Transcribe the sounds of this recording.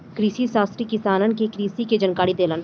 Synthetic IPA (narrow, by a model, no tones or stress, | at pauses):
kɾiːsisaːst̪ɾikɪsaːnənkekɾiːsiked͡ʒənkaːɽid̪eːlən